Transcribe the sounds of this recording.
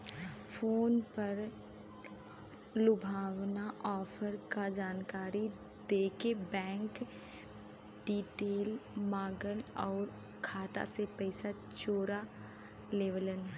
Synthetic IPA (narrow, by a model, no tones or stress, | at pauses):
fʰoːnpəɾ | lʊbʱaːwnaʔɔːfʰəɾkad͡ʒaːnkaːɾi | d̪eːkebɛ̃ːŋk | ɖiːʈeːlmaːɡənɔːɾ | kʰaːt̪a̰sepɛɪsa | t͡ʃoːɾa | leːʋlən